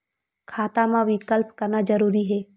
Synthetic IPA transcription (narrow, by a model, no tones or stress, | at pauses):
kʰaːt̪amãʋɪkəlpkɐɾnad͡ʒɐɾuːɾiɦɛː